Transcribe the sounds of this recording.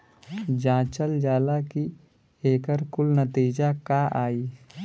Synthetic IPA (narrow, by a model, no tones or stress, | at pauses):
d͡ʒãːt͡ʃəld͡ʒaːlaki | eːkəɾkʊlnət̪iːd͡ʒakaʔaːiː